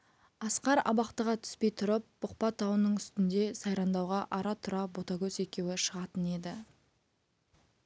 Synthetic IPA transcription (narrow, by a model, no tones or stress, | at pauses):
ɑsqɑɾɑ̰bɑqt̪əʁɑt̪ʰʏ̥spe̞jt̪ʰʊɾəp̚b̥ʊq̚pɑt̪ʰːɑwənəɴʏst̪ɪnd̪e̞sɑjɾɑnd̪ɑwʁɑʔɑɾɑt̪ʰʊɾɑbo̞t̪ɑɡʲɵse̞kʲe̞wɪʃəʁɑt̪əne̞d̪ɪ